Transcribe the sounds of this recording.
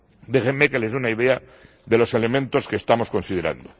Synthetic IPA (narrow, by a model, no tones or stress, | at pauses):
d̪e̞xemːeke̞le̞zðeunaið̞ea | ðe̞lo̞se̞le̞mẽnt̪o̞ske̞ːst̪amo̞sko̞nsið̞eɾa̰nd̪o